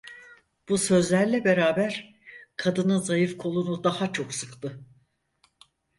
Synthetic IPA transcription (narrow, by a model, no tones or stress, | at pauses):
b̥usø̞zlʲæɾlʲɛbe̞ɾaːbæɾ̥ | kʰad̪ɯnɯzajɯfkʰo̞lˠunud̪ahat͡ʃʰo̞ksɯkt̪ʰɯ